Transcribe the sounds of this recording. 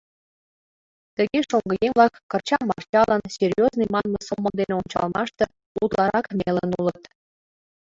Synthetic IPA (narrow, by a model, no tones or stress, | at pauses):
t̪ə̆ɣʲeʃoŋɡɤ̆jemʲlɑkːɤ̆rt͡ɕɑmːɑ̰rt͡ɕɑlˠənsʲerʲjoznɤjmɑnmɤsomɤ̆nd̪eneont͡ɕɑ̰lˠmɑʃt̪ɤ̆ | ṵt̪lˠɑɾɑkmʲelə̆nulˠə̆t̪